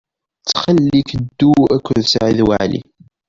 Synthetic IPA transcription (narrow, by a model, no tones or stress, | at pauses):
t͡sːχalːikəd̪ːuækʷːʊðsʕiðwaʕlḭ